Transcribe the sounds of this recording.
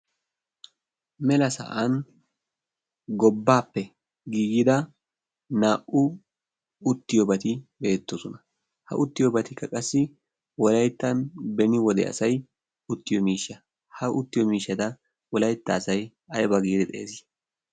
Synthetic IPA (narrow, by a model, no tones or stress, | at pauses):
mɛlɐsɐ̰ʔan | ɡɔbːaːpːɛ | ɡiːɡɪd̪ɐ | naːʔʊ | ʊt̪ːɪjɔbɐt̪ɪbe̞ːt̪ːɔsɔnɐ | hɐ̰ʔʊt̪ːɪjɔbɐt̪ɪkːɐkʼɐsːɪ | wɔlɐjt̪ːɐnbɛnɪwɔd̪ɛ̰ɐ̰sɐj | ʊt̪ːɪjɔmiːʃːɐ | hɐʔʊt̪ːɪjɔmiːʃːɐd̪ɐ | wɔlɐjt̪ːɐːsɐj | ɐjɛbɐɡiːd̪ɛt̪ʼe̞ːzɪ